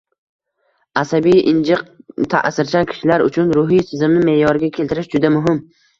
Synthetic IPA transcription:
asabijɪnd͡ʒɪq̚t̪ʰa̰ʔsɪɾt͡ʃʰankʲʰɪ̥ʃɪlaɾʊ̰t͡ʃʰʊnɾʊɦijsʰɪzɪmnɪme̞jɒɾɪɡʲakʲʰe̞lt̪ʰɪɾɪʃd͡ʒʊd̪amʊɦɪm

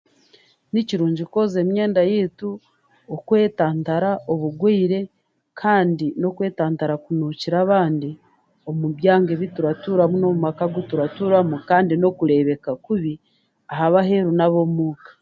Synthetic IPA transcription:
niciɾuːɲɟiko̞ze̞mɲe̞ːndajeːtu | okwe̞ːtaːntaɾaʔoβuɡwiːɾe̞ | kʰaːndino̞kwe̞ːtaːntaɾakunuciɾaβaːndi | o̞muβjaːŋɡeβituɾatuːɾamuno̞mumakaɡutuɾatuːɾamukaːndino̞kuɾe̞βe̞kakuβi | aɦaβaɦeɾunaβo̞muːkḁ

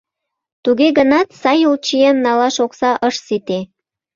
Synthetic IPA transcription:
t̪uɣeɣənɑt̪sɑjult͡ɕijenːɑlɑʃoksɑʔəʃsit̪e

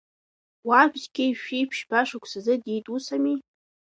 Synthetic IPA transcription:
wabzɡʲejʃᶣijpʰʃbaʂakʷʰsazɨditʼusami

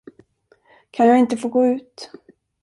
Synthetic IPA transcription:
kʰanjaːɡɪnt̪əfoːɡoːʉ̟ːt̪

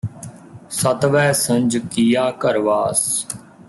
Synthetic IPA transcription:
sət̪ʋɛːsə̃nd͡ʒkijaːkəɾʋaːs

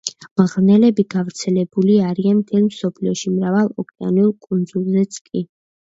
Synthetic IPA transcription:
mʁnɛlɛbiɡavɾt̪sʰɛlɛbuliaɾianmt̪ʰɛlmsɔpʰliɔʃimɾavalˠɔkʼɛa̰niulˠkʼund̪zulˠzɛt̪sʼkʼi

